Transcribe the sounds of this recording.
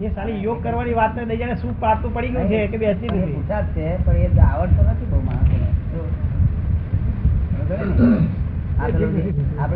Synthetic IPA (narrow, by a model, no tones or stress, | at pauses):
esalijoɡ̚kəɾʋaniʋat̪ned̪əid͡ʒaneʃũpaɾt̪ũpəɽiɡəjũt͡ʃʰekebeɦət͡ʃid̪iut͡ʃʰat̪ːepəɳed̪aʋəɳt̪onət̪ʰibʱəma̰o | aeiap